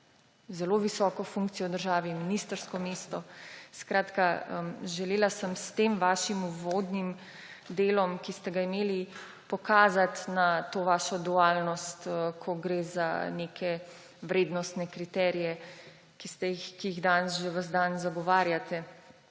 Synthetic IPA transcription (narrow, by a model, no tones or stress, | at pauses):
zɛloːʋisɔːkɔfuŋk̚t̪sijɔwd̪əɾʒaːʋiminist̪əɾskɔmeːst̪ɔskɾaːt̪kaəmʒɛleːlasəmst̪eːmʋaːʃimuʋoːd̪nim | d̪eːlɔmkist̪ɛɡaimeːli | pɔkaːzat̪nat̪oːʋaːʃɔd̪uaːlnɔst̪kʰɔɡɾeːza̰nekʰɛ | ʋɾeːd̪nɔst̪nɛkɾit̪ɛːɾijɛ | kist̪ɛjixkijiɣd̪ansʒeʋəzd̪anzaɡɔʋaːɾjat̪ɛ